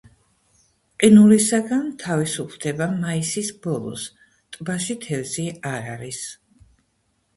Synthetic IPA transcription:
qʼinulisaɡant̪ʰavisupʰlˠd̪̥ɛbamaisisbɔlˠɔ̰s | t̪ʼbaʃit̪ʰɛlziaɾaɾis

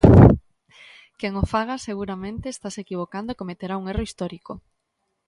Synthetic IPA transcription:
keŋofaɣ̞aseɣ̞uɾamẽnt̪eːst̪asekiβ̞okand̪okomet̪eɾauŋeroist̪ɔɾiko

